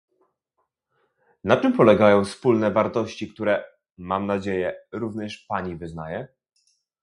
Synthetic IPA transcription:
nat͡ʂɘmpɔlɛɡajɔ̃w̃fspulnɛvaɾt̪ɔɕt͡ɕikt̪uɾɛ | mamnad͡ʑejɛɾuvɲɛʂpaɲivɘzna̰jɛ

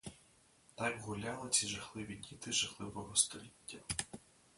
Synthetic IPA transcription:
t̪ɑkɦʊlʲalˠɪt͡sʲiʒɐxlˠɪʋʲidʲit̪ɪʒɐxlˠɪʋɔɦɔst̪ɔlʲitʲːɐ

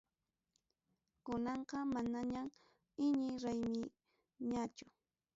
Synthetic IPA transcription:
kʊnɑɴqɑmanaɲam | ɪɲɪɾajmɪ | ɲat͡ʃʊ

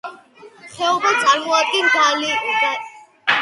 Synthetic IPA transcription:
χɛɔbɔt̪sʼaɾmɔad̪ɡɛnɡʰalid̥a

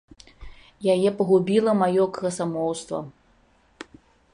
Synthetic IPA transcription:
jajɛpɐɣubʲilˠɐmajɔkɐsamɔwst̪vɐ̰

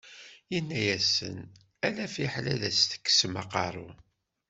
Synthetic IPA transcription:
inːæjæsə̰n | ælæfiħlæðæst̪ə̥kːsmɑ̰qɑ̰ɾˤṵ

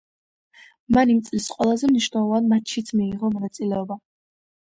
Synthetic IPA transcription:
manimt̪sʼlisqʼwɛlˠazɛmniʃnɛlˠɔvanmatt͡ʃʰit̪sʰmiːʁɔmɔnat̪sʼilɛɔba

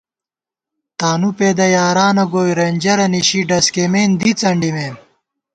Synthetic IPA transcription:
t̪aːnupeːd̪ɐjaːɾaːnɐɡoːjɾenʲd͡ʑɐɾɐniɕiɖɐskemeːnd̪it͡sɐɳɖimeːm

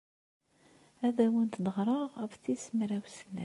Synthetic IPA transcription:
æðæwənt̪d̪əʁɾˤəʁæfθismɾæwsənːæ

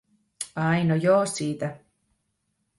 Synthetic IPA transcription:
ɑjnojoːsiːt̪æ

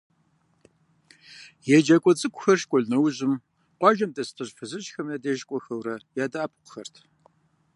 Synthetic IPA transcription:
jɛd͡ʒɐkʷʼɔt͡sʼɨkʷʼʊxɐrʃkʷʼɔɮnɐwʑɪm | qʷɑʒɐmdʼɐstʰɨɕfɨzɨɕxɐmjadeːʒkʷʼɔxɐwɾɐjaːdaːpʰqxɐrtʰ

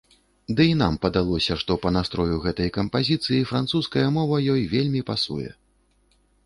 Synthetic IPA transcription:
d̪ɨin̪ampɐd̪alˠɔsʲɐʂt̪ɔpɐnast̪ɾɔjuɣɛt̪ɐjkɐmpazʲit̪sɨjifɾant̪suskɐjɐmɔvɐjɔjvʲelʲmʲipasṵjɛ̰

